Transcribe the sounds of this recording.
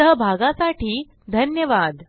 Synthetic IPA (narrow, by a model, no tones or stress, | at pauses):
əɦəbʱaɡãsaʈiː | d̪ʱənjəʋad̪